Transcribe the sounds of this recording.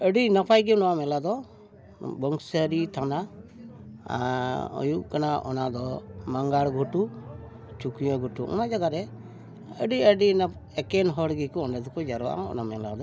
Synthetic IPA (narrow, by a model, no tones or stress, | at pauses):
əɖinapʰajɡinɔwamɛlad̪ɔ | bɔŋsəɾit̪ʰana | ɔ̰juʔkanaʔɔ̰nad̪ɔmaŋɡaɽɡʱuʈu | t͡ʃukjɔɡʱuʈuʔɔ̰nad͡ʒaɡaɾɛ | əɖiəɖin | ɛkɛnɦɔɽɡikɔɔnɖɛd̪ɔkɔd͡ʒaɾɔa̰ʔa̰ɔ̰namɛlad̪ɔ